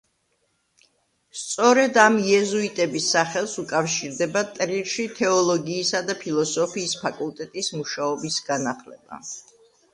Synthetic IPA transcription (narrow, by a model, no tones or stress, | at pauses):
st̪sʼɔɾɛd̪amjɛzuit̪ʼɛbisːaχɛlˠsukʼafʃiɾd̪ɛbat̪ʼɾiɾʃit̪ʰɛɔlˠɔɡiːsad̪apʰilˠɔsɔpʰiːspʰakʼulˠt̪ʼɛt̪ʼismuʃaɔbisɡ̥anaχlɛb̥a̰